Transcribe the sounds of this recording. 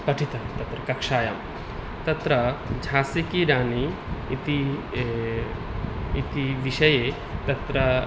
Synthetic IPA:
pɐʈʰit̪ɐt̪ɐt̪ɾɐkɐkʂaːja̰ːm | t̪ɐt̪ɾɐd͡ʒʱaːsikiɾaːniːt̪i | it̪iʋiʃɐjeː | t̪ɐt̪ɾɐ

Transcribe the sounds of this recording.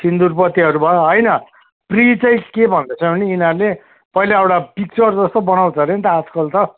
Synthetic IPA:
sind̪urpʌt̪iɦʌɾubʱʌɦʌjnʌ | prit͡sʌj̃kebʱʌnd̪ʌt͡sʰʌbʱʌniːnarle | pʌilaʌwɽapik̚t͡sʌrd͡zʌst̪obʌnaw̃t͡sʰʌɾent̪ʌːd͡zkʌlt̪ʌ

